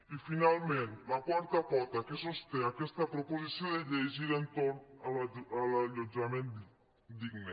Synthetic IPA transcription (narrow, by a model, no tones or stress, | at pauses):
efinalment̪lakwart̪apɔt̪akesost̪eakːwest̪apɾopozit̪sːjoned̪eʎːejzilent̪ornalalaʎod͡ʒament̪ | d̪iɡne